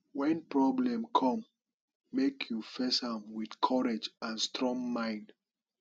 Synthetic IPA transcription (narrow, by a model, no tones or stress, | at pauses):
wɛ̃npɹɔblɛ̃mkʰɔ̃mː | ekʰjufesãmwiθkʰɔɹed͡ʒãnstɹɔ̃ŋmãɪ̃nd